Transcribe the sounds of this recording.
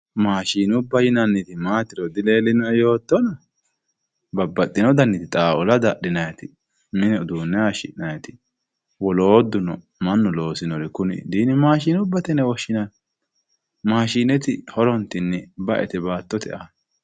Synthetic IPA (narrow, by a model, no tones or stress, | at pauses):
maːʃiːnʊbːɐjɪnɐnːɪt̪ɪmaːt̪ɪɾɔd̪ɪleːlːɪnɔɛjo̞ːt̪ːɔnɐ | bɐbːɐt̪ʼːɪnɔd̪ɐnːɪt̪ɪt̪ʼaːʔɔlɐd̪ɐɗɪnɐjɐt̪ɪ | mɪnɛd̪uːnːɛaːʃɪ̰ʔnɐjɐt̪ɪ | wɔloːd̪ʊnɔ | mɐnːʊlo̞ːsɪnɔɾɪkʊnɪ̰d̪iːnɪmaːʃiːnʊbːɐt̪ɛnɛwɔʃːɪnɐn | maːʃiːnɛt̪ɪhɔɾɔnt̪ːɪnːɛbɐʔɛ̰t̪ɛbaːt̪ːɔt̪ɛ̰ʔan